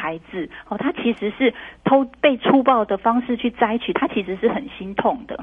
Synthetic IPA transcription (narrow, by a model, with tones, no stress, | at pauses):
a˨˧˦ɪd͡z̩˨hɔ˨˩t̪ʰa˥t͡ɕʰi˨˥ʂɻ̩˧˥ʂɻ̩˥˩t̪ʰo˥ʊpe˥˨ɪʈ͡ʂʰu˥˧pɑ˥˩ʊd̪ə˩fɑ˥ŋʂɻ̩˥˧t͡ɕʰy˥˩t͡sa˥ɪt͡ɕʰy˨˩t̪ʰa˥t͡ɕʰi˧˥ʂɻ̩˧ʂɻ̩˥˩xə˨˩nɕi˦˥nt̪ʰo˥˨˩ŋd̪ə̰˩